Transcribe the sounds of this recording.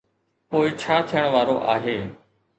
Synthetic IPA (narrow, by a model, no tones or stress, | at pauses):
poːɪt͡ʃʰaːt̪ʰɪjəɽ̃ʋaːɾoʔaːɦeː